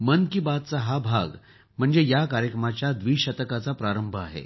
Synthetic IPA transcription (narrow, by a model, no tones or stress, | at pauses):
mənkibat̪̚t͡saɦabʱaɡ | m̤əɳd͡zejakaɾjəkɾəmat͡ɕjad̪ʋiːɕət̪əkat͡sapɾaɾəmbʱəa̰ɦḛ